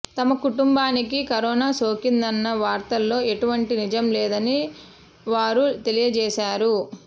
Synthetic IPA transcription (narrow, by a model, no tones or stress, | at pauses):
t̪ɐmɐkuʈumbaːnikikɐɾɔːnaːso̞ːkind̪ɐnːɐʋaːɾt̪ɐlːo̞ːe̞ʈuʋɐɳʈinid͡ʒɐmlɛːd̪ɐni | ʋaːɾut̪e̞lijɐd͡ʒɛːʃaːɾu